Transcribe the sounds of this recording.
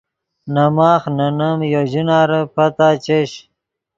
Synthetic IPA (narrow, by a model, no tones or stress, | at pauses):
nɐmaːxnɐnɐmjoʑinaːɾəpɐt̪aːt͡ɕeɕ